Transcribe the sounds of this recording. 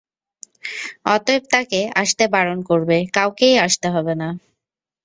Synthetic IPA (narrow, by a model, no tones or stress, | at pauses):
ɔt̪ob̚t̪akeaʃt̪ebaɾonkoɾbekawkejaʃt̪eɦɔbena